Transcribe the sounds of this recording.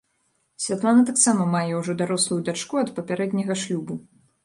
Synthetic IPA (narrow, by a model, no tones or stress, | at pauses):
sʲvʲat̪lˠanɐt̪aksamɐmajɛwʐɔd̪aɾɔslˠujud̪ʲat͡ʂkuɐt̪pɐpʲaɾɛd̪ʲnʲɐɣɐʂlʲubu